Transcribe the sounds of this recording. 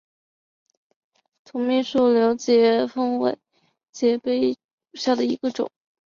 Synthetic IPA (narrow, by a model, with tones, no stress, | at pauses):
t̪ʰʊ˧˥ŋmi˥˧ʂu˥˩ljo˧˥ʊt͡ɕjɛ˧˥fɤ˥ŋwḛ˧˥ɪ | t͡ɕjɛ˧˥pe˥ɪ | u˨˩ɕja˥˩d̪ə˩ḭ˧˥ɡ̥ə˧ʈ͡ʂʊ̰˨˩˦ŋ